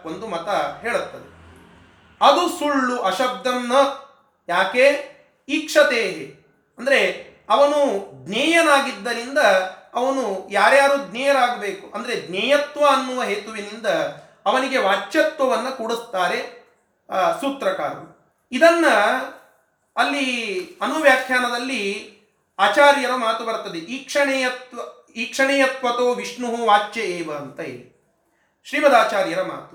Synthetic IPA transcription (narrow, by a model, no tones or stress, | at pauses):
ond̪umɐt̪ɐɦeːɭut̪ːɐd̪e | ɐd̪usuɭːuʔɐʃɐb̚d̪ʱɐnːɐ | jaːkeː | iːkʂɐt̪eːɦe | ɐnd̪ɐɾe̞ | ɐʋɐnuɡnɛːjɐnaːɡid̪ːɐɾind̪ɐːʋɐnujaːɾjaːɾuːd̪nɛːjɐɾaːɡɐbeːkuʔɐnd̪ɐɾe̞ɡ̪nɛːjɐt̪ʋɐːnːuʋɐɦeːt̪uʋinind̪ɐː | ʋɐniɡe̞ʋaːt͡ʃːɐt̪ʋɐʋɐnːɐkuɽust̪aːɾe̞ | suːt̪ɾɐkaːɾɐnu | id̪ɐnːɐ | lːiɐnuʋjaːkʰjaːnɐd̪ɐlːi | aːt͡ʃaːɾjɐɾɐmaːt̪ubɐɾt̪ːɐd̪eʔiːkʂɐɳɛjɐt̪ʋɐ | iːkʂɐɳɛːjɐt̪ʋɐt̪oːʋiʂɳuɦuʋaːt͡ʃːeeːʋɐːnt̪ɐḭːli | ʃɾiːbɐd̪aːt͡ʃaːɾjɐɾɐma̰ːt̪u̥